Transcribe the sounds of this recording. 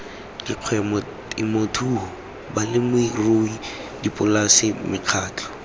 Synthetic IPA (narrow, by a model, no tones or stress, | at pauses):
diq͡χʰwɛmɔ | imotʰuhɔ | balɪmʊroi | dipʼʊlasɪmɪq͡χʰaːt͡ɬʰʼɔ̥